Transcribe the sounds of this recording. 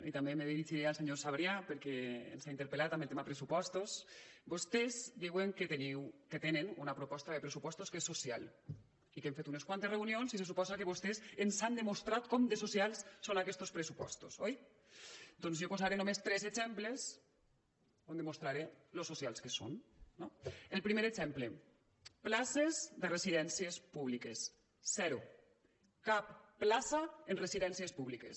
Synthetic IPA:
it̪ambemeðeðit͡ʃiɾealseɲosaβɾjapeɾkeḛnsaint̪eɾpelat̪ambelt̪emaepɾesupɔst̪osbost̪ezd̪iweŋket̪eniwket̪enenunapɾopɔst̪aðepɾesupɔst̪oskesːosja̰l | ikẽɱfet̪uneskwant̪ereunionsises̬upɔzakeβost̪esensand̪emost̪ɾat̪kɔmd̪esosialˠsːonakɛst̪ospɾesupɔ̰st̪osoj | d̪onzjopozaɾenomest̪ɾɛzezɛmples | ond̪emost̪ɾaɾelosːosjalˠskeso̰nːoelpɾimeɾezɛmple | plasezðəresiðɛnsiespuβ̞likesː | ɛɾu | kapːlasaenresiðɛnsiespuβlikḛs

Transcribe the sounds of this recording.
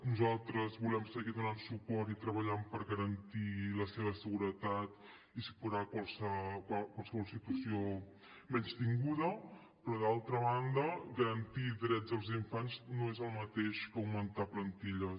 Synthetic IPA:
nuzalˠt̪ɾəzβulɛmsəɣiðunansupɔrt̪it̪ɾəβəʎampəɾɣəɾənt̪iləseβ̞əsəɣuɾət̪at̪ | isu̥puɾakwalˠsəkwakwalˠsəβɔlˠsit̪uəsio | mɛɲt͡ʃt̪iŋɡuðə | pɾɔðalˠt̪ɾəβand̪əɡəɾənt̪id̪ɾɛd͡zəlˠziɱfaɲznoezəlˠmət̪eʃkəwmənt̪aplənt̪iʎə

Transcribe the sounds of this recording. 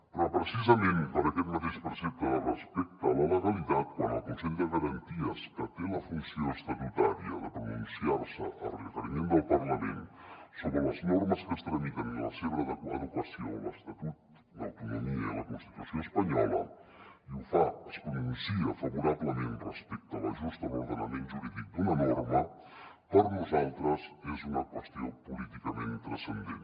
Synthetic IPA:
pɾɔpɾəsizəmẽnpəɾəkɛt̪mət̪eʃpəɾsɛp̚t̪ərəspɛk̚t̪ələləɣəlit̪at̪̚kwanə̰lˠkunsɛʎd̪əɣəɾɐnt̪iəskət̪eləfunsioəst̪ət̪ut̪aɾiə̰ðəpɾuinisiaɾsəʔərəfəɾimend̪əlˠpərləmḛnsoβɾələznɔɾməskəst̪ɾənikənlə̰seβɾəðəkə̰ðukwəsio̰lə̰st̪ɐt̪ut̪ | d̪ɐa̰wt̪unumiɐðɐkõst̪i̥t̪usjõw̃espɐɲɔlˠɐ̰iũfaɐspɾunũnsiɐfɐβuɾaβlˠɐmẽnt̪rəspɛk̚t̪awɐʒuʃt̪ɐðuɾðənɐmẽnt̪ʒuɾiðikud̪unɐnɔɾmɐ | pɐɾnɐzalˠt̪ɾɐzezumɐkwəʃt̪iõw̃pulit̪ikɐmẽnt̪t̪ɾɐsẽnd̪ẽn

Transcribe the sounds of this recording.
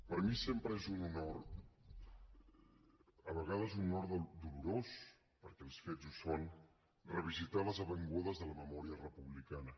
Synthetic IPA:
pəɾmisempɾəezununoɾ | əβəɣað̞əzunoɾðd̪uluɾos | pəɾkɛːlˠsfezuson | rəβ̞izit̪aləzəβəŋɡuðəzðələməmɔɾiərəpuβlikanə

